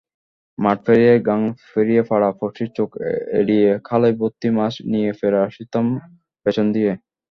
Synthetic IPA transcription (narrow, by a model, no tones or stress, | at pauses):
maʈ̚fʰeɾijeɡaŋfeɾijefaɽapʰoʃʈiɾt͡ɕokḛɽijekʰalajbot̪ːimaʃnijefeɾaʃit̪am | pet͡ɕʰond̪ije